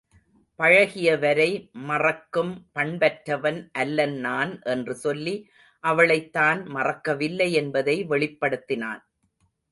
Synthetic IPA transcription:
pɐɻɐɣɪjɐʋɐɾɐɪmɐrɐkːɯmpɐɳbɐʈɾɐʋɐnʔɐlːɐnnaːnʔɛndrɯsɔlːi | ʔɐʋɐɭɐɪt̪ːaːnmɐrɐkːɐʋɪlːɐɪɛnbɐðɐɪʋɛɭɪpːɐɽɯt̪ːɪna̰ːn

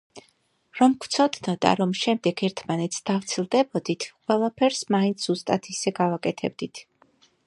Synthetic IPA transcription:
ɾɔmkʰt̪sʰɔd̪nɔd̪a̰ɾɔmʃɛmd̪ɛɡɛɾt̪ʰmanɛt̪sʰd̪̥aft̪sʰilˠd̪ɛbɔd̪it̪ʰqʼwɛlˠapʰɛɾsmaint̪sʰz̥ust̪ʼat̪ʰisɛɡavakʼɛt̪ʰɛb̚d̪it̪ʰ

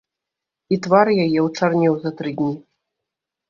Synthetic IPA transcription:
it̪varjajɛwt͡ʂarnʲɛwzɐt̪ɾɨd̪ʲnʲi

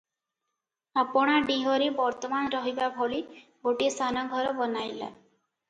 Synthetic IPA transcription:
apɔɽ̃aɖiɦɔɾibɔɾt̪ɔmanɾɔɦibabʱɔli | ɡoʈist̪ʰanɔɡʱɔɾɔbɔnajla̰

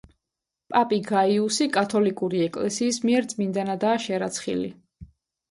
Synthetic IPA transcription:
pʼapʼiɡaiusikʼat̪ʰɔlikʼuɾiɛkʼlɛsiːsmiɛɾt̪sʼmind̪anad̪aːʃɛɾat̪sʰχḭlḭ

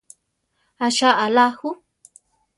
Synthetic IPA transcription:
aʃaʔalahu

